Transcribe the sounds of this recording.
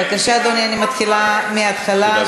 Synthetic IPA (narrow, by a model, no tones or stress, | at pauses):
akaʃaːd̪onianimat̪χilameat̪χala